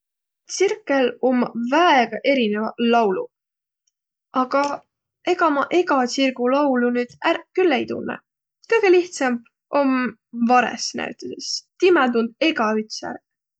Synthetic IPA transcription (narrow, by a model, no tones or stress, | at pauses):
t̪sirkːˑelomːɑvæeɡ̥ɑʔe̞ɾinevɑlɑwlṵ | ʔɑɡ̥ɑ | e̞ɡɑmɑʔe̞ɡɑsirɡulɑwlunyːd̪̥ærkylːejt̪ṵnːə̰ | kɤjɡ̥eliht̪sɑmb | ʔo̞mvɑɾḛsnæ̰ɥt̪ˑɑd̪̥est̪imæt̪und̪̥̚e̞ɡɑyt̪sæ̰ɾ